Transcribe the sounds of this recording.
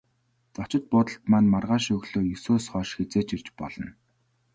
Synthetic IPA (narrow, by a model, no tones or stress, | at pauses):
t͡sɔt͡ɕɪ̆t̪̚pʊːt̪ə̆ɬt̪manmarʁaːʃɵɣɮoːjɵsoːsχœːʃxet͡seːt͡ɕirt͡ɕpɔ̰ɮɞ̆n